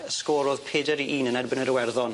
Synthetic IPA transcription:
əskɔːɾoːð̥pʰeːdəɾiʔiːnənɛrbɪnəɾəwɛrðɔn

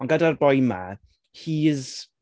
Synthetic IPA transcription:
ɔnɡadarbɔjma̰ | hiːəz

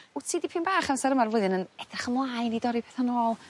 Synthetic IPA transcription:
utʰiːdipʰɨːnbaːχansaɾəmarvʊːðənənɛdrɛχəmlˠajnidɔɾipʰɛθanɔːlˠ

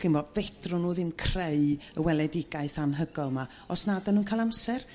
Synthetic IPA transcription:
ɪmbɔvɛdrʊnuːðɪmkʰreɨəwɛlˠɛdɪɡaɨθanɦəɡɔlˠma | ɔsnadanuːnkʰajlˠamsɛr

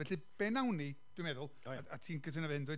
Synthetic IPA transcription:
vɛɬɨb̥ɛnawnid̥wjmɛðʊlˠaatʰiːnkʰətʰənavɛndwɨ

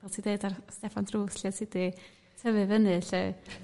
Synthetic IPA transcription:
vɛlˠtʰiːdeɨdarstɛfandruːsljadsɪdi | tʰəvɨvənɨɬɛ

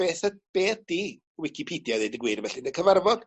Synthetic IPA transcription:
eːθəb̥eːθd̥i | wɪkʰipʰidjaðedəɡwɪrvɛɬinəkʰəvarvɔd̥

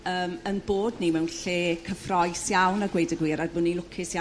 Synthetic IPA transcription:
əːmənboːdnimɛwnɬeːkʰəfrɔɨsjawnəɡwejdəɡwiːɾadvʊnilʊkʰɪsja

